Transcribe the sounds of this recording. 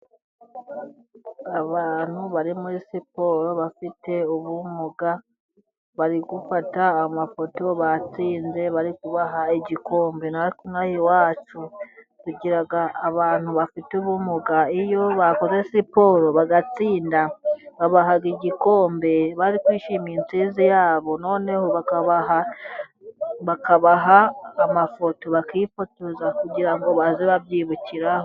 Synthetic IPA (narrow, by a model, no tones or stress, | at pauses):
aβaːn̥huβaɾimuɾisipo̞ɾo̞βafite̞uβumuɡa | βaɾiɡufataːmafo̞to̞βat͡siːnze̞βaɾikuβaɦaiɟikʰo̞ːmbenaikumŋaːhiwaːt͡ʃu | kuɡiɾaɡaːβaːn̥huβafituβumuɡaijo̞βako̞ze̞sipo̞ːɾo̞βaɡat͡siːndaβaβaɦaɡiɟiko̞ːmbe̞βaɾikwiːʃiːmiːnt͡siːzijaːβo̞no̞ːne̞hoβakaβaɦa | βakaβaɦaːmafo̞to̞βakifotozakuɟiɾaŋɡo̞βazeβaβjiːβuciɾaho